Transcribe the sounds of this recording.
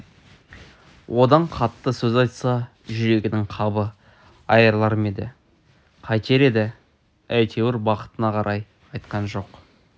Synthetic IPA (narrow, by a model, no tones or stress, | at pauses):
wʔo̞d̪ɑɴqʰɑt̪ːəsɵzɑjt̪sɑ | ʒʏɾe̞ɡʲɪnɪŋqʰɑbə | ɑjəɾlˠɑɾəme̞d̪ɪ̰ | qʰɑjt̪ʰe̞ɾe̞d̪ɪ | æjt̪ʰe̞wɪɾbɑqə̥t̪ənɑqʰɑɾʔɑj | ɑjt̪qɑnʒo̞q